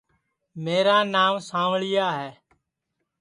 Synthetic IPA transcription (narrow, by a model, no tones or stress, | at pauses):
meːɾaːnaːmsãːʋɭɪjaːɦɛː